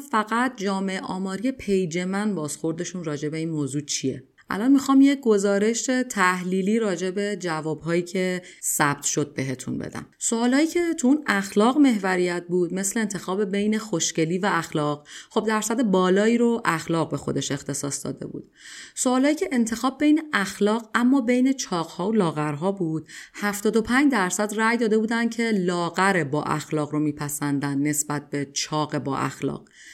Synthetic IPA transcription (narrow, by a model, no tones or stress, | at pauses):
fæɣæt̪̚ʰd͡ʒɒːme̞eʔɒ̰ːmɒːɾijepʰe̞jd͡ʒe̞mænbɒːzxo̞ɾd̪e̞ʃunrɒːd͡ʒe̞be̞iːnmoːzut͡ʃʰie̞̰ | ʔʔæ̰lɒnmixɒːmjeɡo̞zɒːɾe̞ʃet̪ʰæhliːliːɾɒːd͡ʒe̞be̞d͡ʒævɒːbɦɒːjiːcʰe̞sæb̥̚t̪ʰʃo̞d̪̚be̞ɦe̞t̪ʰṵnbḛd̪æ̰msoɒːlɒːt̪iːcʰe̞t̪ʰuunæxlɒːɣme̞ɦvæɾijæt̪̚ʰbuːd̪me̞sleent̪ʰe̞xɒːbe̞be̞jne̞xoʃce̞liːvæːxlɒːʁχo̞b̚d̪æɾsæd̪ebɒːlɒːiːɾoʔæxlɒːɣ̚be̞xo̞d̪e̞ʃe̞xt̪ʰe̞sɒːsd̪ɒ̰ːd̪e̞̰bṵːd̪̥soːlɒːjiːcʰe̞ʔent̪ʰe̞xɒːbːe̞jneæxlɒːɣæmːɒːbe̞jne̞t͡ʃʰɒːɣhɒːolɒːɣæɾɦɒːbuːd̪̥hæft̪ɒːd̪o̞pʰæɲd͡ʒd̪æɾsæd̪ræjd̪ɒːd̪e̞buːd̪ænd̪̚cʰe̞lɒːɣæɾebɒ̰ːʔæ̰xlɒːɣɾomiːpʰæsænd̪ænd̪ne̞sbæt̪̚be̞t͡ʃʰɒːɣe̞bɒ̰ːʔæ̰xlɒ̰ːɢ̥